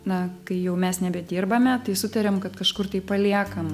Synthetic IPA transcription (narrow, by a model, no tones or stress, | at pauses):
nɐkɐɪjɛʊmʲɛsnʲɛbʲɛdʲiːrbɐmʲɛt̪ɐɪsʊt̪ɐɾʲɛmkɐt̪kɐʃkʊrt̪ɐɪpɐlʲiɛkɐm